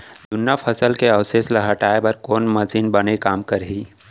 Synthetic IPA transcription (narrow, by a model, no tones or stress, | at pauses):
d̪ʊnjapʰɐsəlkeɐwseslɐɦəʈaːebəɾkoːnmɐsiːnbɐnekaːmkəɾɦiː